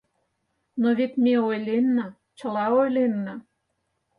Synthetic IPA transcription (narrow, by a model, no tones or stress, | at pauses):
noβet̪meojlenːə̆ | t͡ɕə̆lɑojlenːə